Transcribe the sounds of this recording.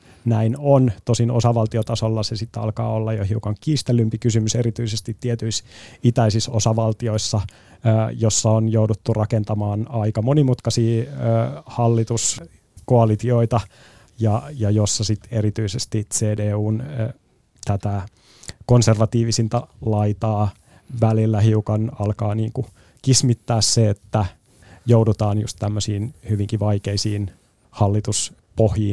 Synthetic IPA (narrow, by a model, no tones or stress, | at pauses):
næinont̪osinosɑʋɑlt̪iot̪ɑsolːɑsesit̪ːɑ̰lkɑ̰ːolːɑjohɦiukɑŋkiːst̪elːympikysymyseɾit̪yisest̪it̪ːiet̪yisit̪æisisosɑʋɑlt̪io̞isːɑ | josːɑonjoudut̪ːurʔɑkent̪ɑmɑːnɑikɑmonimut̪kɑsiː | hɑlːit̪us | koɑlit̪ioit̪ɑ | jɑjɑjosːɑsit̪eɾit̪yisest̪iseːdeːuːn | t̪æt̪æ | konserʋɑt̪iːʋisint̪ɑlɑit̪ɑː | ʋælilːæɦiukɑnɑlkɑːniːŋku | kismit̪ːæːsseet̪ːæ | joudut̪ɑːnjṵst̪tæmːøsiːnhyʋiŋkiʋɑikeisiːn | hɑlːit̪us | pohjiːn